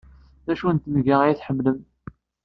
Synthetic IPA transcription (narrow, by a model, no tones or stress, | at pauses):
ðæʃunt̪nɡəʁajθħəmːləm